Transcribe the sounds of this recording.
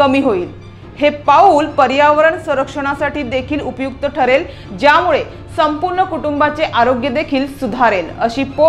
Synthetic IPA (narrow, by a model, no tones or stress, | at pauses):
kəmiːɦoiːl | hepauːlpəɾjaʋəɾəɳsə̃ɾəkʂəɽ̃asaʈiːd̪ekʰiːlupjuk̚t̪əʈʰəɾel | d͡ʑjamuɭe | səmpuɾɳəkuʈumbat͡seʔaɾoɡjəd̪ekʰiːlsud̪ʱaɾeləɕiːpo